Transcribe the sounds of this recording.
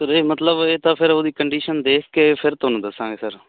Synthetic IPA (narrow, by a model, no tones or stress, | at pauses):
səɾeːmət̪ləbeːt̪ãːpʰɪɾoːd̪iːkəɳɖiːʃənd̪eːkʰkeːpʰɪɾt̪ʊnũːd̪əsːãːŋɡeːsəɾ